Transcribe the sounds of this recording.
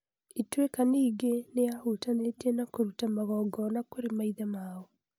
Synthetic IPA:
itwekaneiɡenejahutanetenakoɾutamaɣɔːɡɔnakoɾemaiðamaːɔ

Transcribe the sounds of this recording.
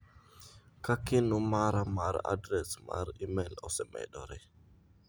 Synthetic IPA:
kakinumaɾamaɾa̰dɾɛsma̰ɾimelɔsɛmɛ̰ɗɔɾɛ

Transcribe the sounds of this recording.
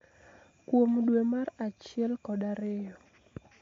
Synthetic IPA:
kwomdwemaɾat͡ʃɪɛlkɔdaɾɪjɔ

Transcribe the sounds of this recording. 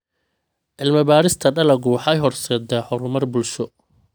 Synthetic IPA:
ʔɪlmɐbaːɾɪst̪ʰɐɖɐlɐɡʊwħɑjɦɔrsɛːd̪ɐħɔɾʊmɐrbʊlʃɔ

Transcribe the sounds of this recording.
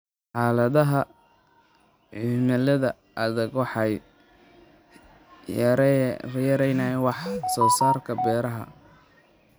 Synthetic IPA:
ħɑːlɐðɐɦɐ | ʕimɐlɐðɐ | ʔɐðɛɡwɑħɑj | ɾrjɛɾɛjnɐjwɑħsɔːsaːrkʰɐbɛːɾɐɦɐ̰

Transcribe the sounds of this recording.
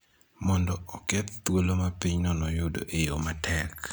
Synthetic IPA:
mɔndɔɔkɛt̪t̪wolomapiɲnɔnɔjʊdo̰ʔejomatʰɛk

